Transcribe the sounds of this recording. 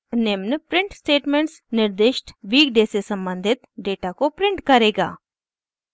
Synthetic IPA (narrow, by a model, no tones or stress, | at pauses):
nɪmnəpɾɪ̃ɳʈsʈeːʈmẽɳʈsnɪɾd̪ɪʃʈʋiːkɖesesə̃mbə̃nd̪ʱɪt̪ɖeːʈakopɾɪ̃ɳʈkəɾeːɡa̰ː